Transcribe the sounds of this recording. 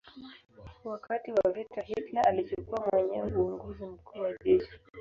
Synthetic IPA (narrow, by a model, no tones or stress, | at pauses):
wakatiwavitahitlaʔalit͡ʃukuwamwɛɲɛwuɔŋɡɔzim̩kuːwaʄɛʃi̥